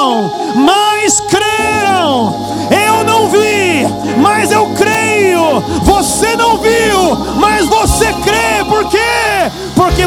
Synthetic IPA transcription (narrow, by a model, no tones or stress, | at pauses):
w̃ | mɐjskɾeɾɐ̃w̃ | ewnɐ̃w̃vi | mɐzewkɾejʊvosenɐ̃w̃viw | mɐzvosekɾepoɾke | poɾke